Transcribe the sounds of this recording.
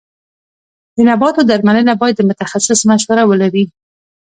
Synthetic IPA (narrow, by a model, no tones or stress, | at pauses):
d̪ənabɑt̪od̪aɾmanənabɑjad̪ːəmʊt̪axasɪsmaʃwaɾawəlaɾi